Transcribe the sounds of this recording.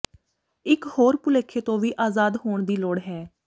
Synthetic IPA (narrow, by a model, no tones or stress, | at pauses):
ɪkhoːɾpʊleːkʰːeːt̪õːʋiːʔaːzaːd̪ɦoːɳd̪iːloɽɦɛː